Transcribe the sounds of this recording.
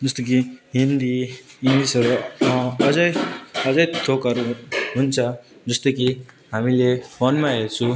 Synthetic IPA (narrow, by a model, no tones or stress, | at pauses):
d͡zʌst̪ok̬iɦind̪iɦind̪isʌɾuʌd͡zʌjʌd͡zʌjt̪ʰokʌɾuɦunt͡sʰʌd͡zʌst̪oki | ɦamilepʰonmaɦet͡sʰũ